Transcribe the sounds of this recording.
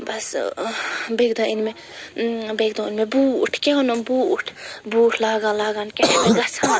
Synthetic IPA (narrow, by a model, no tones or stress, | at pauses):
bɐs | beːɡd̪aːinme | beɡd̪õinmẽbuːʈʰkeonombuːʈʰbuːʈʰlaːɡãːlaːɡaːnkeʈʰːmeɡɐsãː